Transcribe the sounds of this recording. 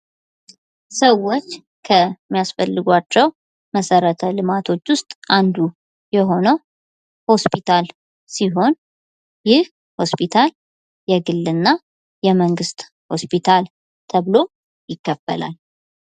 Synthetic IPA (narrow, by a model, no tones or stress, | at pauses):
səwːo̞t͡ʃː | kʰəmːijasfəlːɨɡʷat͡ʃːɛw | məsəɾət̪ʰəlɨmat̪ʰo̞t͡ʃːwʊst̪ʼʔand̪u | jɛɦo̞nəw | ho̞spʰit̪ʰal | siɦo̞n | jɪh | ho̞spʰit̪ʰal | jɛɡɨlːɨnːa | jɛməŋɡɨst̪ | ho̞spit̪ʰal | t̪ʰəβlo̞ | jɪkːəfːə̰la̰l